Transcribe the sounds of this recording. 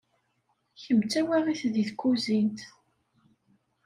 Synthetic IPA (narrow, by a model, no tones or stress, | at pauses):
çəmt͡sːæwæʁiθðiθkːuzint̪